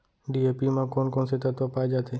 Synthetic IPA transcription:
ɖiepimãkoːnkɔːnset̪ət̪ʋopaːjd͡ʒat̪ʰeː

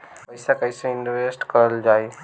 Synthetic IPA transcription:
pɐɪsakəɪsẽɪ̃ɳɖoeːsʈkəɾəld͡ʒaːe

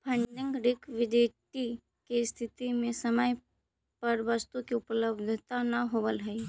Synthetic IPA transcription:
pʰə̃ɳɖɪ̃ŋɡɖɪkʋɪd̪eːʈi | kest̪ʰɪt̪imẽsəməj | pɐɾʋɐst̪ukiʊpləbd̪ʱət̪anɐɦoːbəlɦɛi

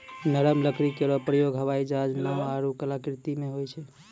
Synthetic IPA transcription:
nəɾəmləkʰɾikeɾɔpɾəjoɡɦəʋaid͡ʒad͡ʒnawaɾukəlakɾt̪imeɦojt͡ʃʰɛ

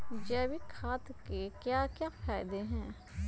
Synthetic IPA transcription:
d͡ʒɛːbikʰaːt̪kekjakjaːfʰaːɪd̪eɦɛ̃ː

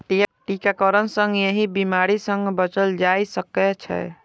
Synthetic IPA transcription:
ʈiʈikakəɾənsə̃ŋɡjeɦibimaɾisə̃ŋɡbət͡ʃəld͡ʒajsəkɛt͡ʃʰɛ̰

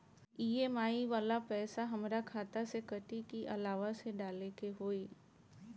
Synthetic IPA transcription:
iːemaːiʋaːlapɛːsaɦɐmɾakʰaːt̪asekɐʈikiʔɐlaːʋaseɖaːlekeɦoːiː

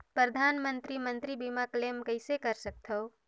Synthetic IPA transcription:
pɾəd̪ʱaːnmənt̪ɾimənt̪ɾibimaklemkəɪsekəɾsək̚t̪ʰəʊ

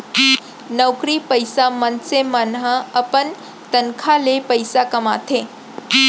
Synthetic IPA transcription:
nəwkɾipəjsamənsemənɦəəpən | t̪ənkʰalepəjsakəma̰t̪ʰe

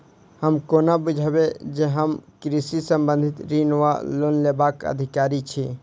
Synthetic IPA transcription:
həmkoːnabud͡ʒʱabed͡ʒeɦəmkɾisisə̃mbə̃nd̪ʱɪt̪ɾinʋa̰loːnlebakə̰d̪ʱɪkaːɾit͡ʃʰi

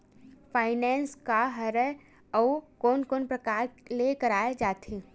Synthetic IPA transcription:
fʰaːɪnɛːnskaɦɐɾɛ | ɔːkoːnkoːnpɾɐkaːɾlekɐɾaːed͡ʒaːt̪eː

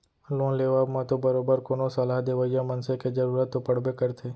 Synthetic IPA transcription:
lõːnleːʋaːbmãt̪obəɾoːbəɾkoːnosɐlaːɦd̪eːʋəjamənseked͡ʒɐɾuːɾət̪ːopɐɽ̤bekɐɾt̪ʰeː

